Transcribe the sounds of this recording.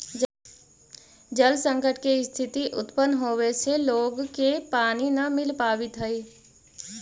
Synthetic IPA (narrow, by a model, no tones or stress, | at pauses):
d͡ʒəlsə̃ŋkəʈkest̪ʰɪt̪iʔʊt̪pənɦoːweseloːɡkepaːninəmɪlpaːwɪt̪ɦəi